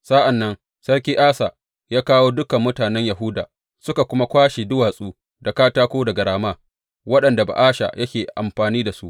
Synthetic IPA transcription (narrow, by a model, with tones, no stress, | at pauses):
sa˦ʔa˨nːɐ˦n | sɐ˦rkʲiː˦ʔaː˦sa˨ | jaː˦kaː˦woː˦dʊ˦kɐ˨mːʊ˦taː˨nɛ˦ɲja˨ɦʊ˦da̰ː˨ | sʊ˦ka˨kʷʊ˦ma˦kʷaː˦ʃe˨dʊ˦waː˨sʼuː˦ | da˨kaː˦taː˦kʷoː˦dɐ˨ɡɐ˨ɽaː˨maː˦ | wɐ˦ɗɐ˨nda˨ba̰˨ʔaː˦ʃa̰˨jɐ˦kʲeː˨ʔa̰˨mɸaː˨niː˦da˨su˦ʔ